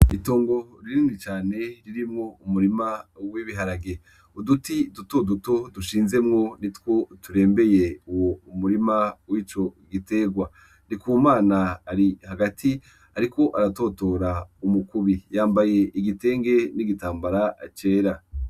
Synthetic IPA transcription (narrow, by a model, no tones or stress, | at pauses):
ito̞ːŋɡo̞ɾiɾiːndit͡ʃaːne̞ɾiɾimŋoumuɾimawiβiɦaɾaɡe̞ | udutidutoduto̞duʃiːnze̞mŋo̞nitwo̞tuɾe̞ːmbe̞je̞uwoumuɾimawiːt͡ʃo̞ɡite̞ːɡwa | nikumaːnaːɾihaɡatʰi | aɾikʰo̞ʔaɾato̞to̞ɾaumukuβijaːmbaje̞ʔiɡite̞ːŋɡe̞niɡitaːmbaɾat͡ʃe̞ːɾa